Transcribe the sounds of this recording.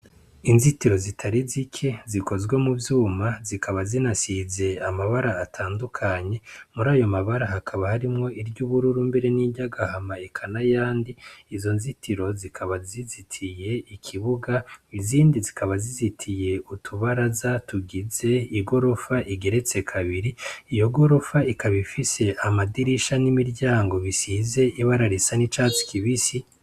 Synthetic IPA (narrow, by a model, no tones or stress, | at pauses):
inzitiɾo̞zitʰaɾizikʰe̞ziko̞zɡwe̞muvjuːmazikʰaβazinasize̞amaβaɾaːtʰaːndukʰaɲe̞muɾaːjo̞maβaɾahakʰaβahaɾimŋo̞iɾɟuβuɾuɾumbe̞ɾe̞niɟaɡahamaikʰanajaːndiizo̞nzitʰiɾo̞zikʰaβazizitʰije̞ikʰiβuɡaiziːndizikʰaβazizitʰije̞utʰuβaɾazatuɡize̞iɡo̞ɾo̞faʔiɡe̞ɾe̞t͡se̞kʰaβiɾiijo̞ɡo̞ɾo̞faikaβifise̞ʔamadiɾiʃanimiɾɟaːŋɡo̞βisiːze̞ʔiβaɾaɾisanit͡ʃaːt͡si̥kiβisi